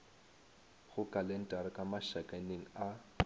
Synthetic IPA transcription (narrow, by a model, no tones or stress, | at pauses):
ɣʊkʼalɛn̩tʼarɪkʼamaʃakʼaneŋ̩a